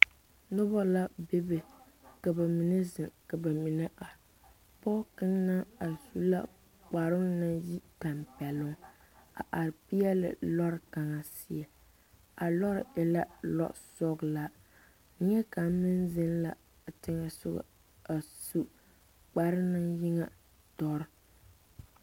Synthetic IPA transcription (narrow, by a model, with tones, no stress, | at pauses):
nʊ˦bɔ˦la˦be˦be˨ | ka˨ba˨mi˨nɛ˦zɪ˨ŋka˨ba˨mi˨nɛ˦ʔa˨ | pɔ˦kɪ˦ŋna˦a˨su˨la˦ | k͡pa˨ɾɪ˦ŋ˦nɨ˦ji˦ta˨mpɛ˨lʊ˦ŋ | a̰˨ʔa˨ɾɪ˨pi˦ɛ˦lɪ̰˨lɔ˦ɾɪ˨ka˨ŋa˨si˦ɛ˨ | a˨lɔ˦ɾɪ̰˨ɛ˦la˦lɔ̰˦sɔ˦ɡla˦˨˦ | ɲɛ˦ka˨m˦mɨ˦nzɪ˦nla˨ | tɪ˦ŋa˦sʊ̰˦ɡʊ̰˨ | a˨su˦ | k͡pa˨ɾɪ˦nɨ˦ŋji˦ŋa˨ | dɔ˦ɾɪ˦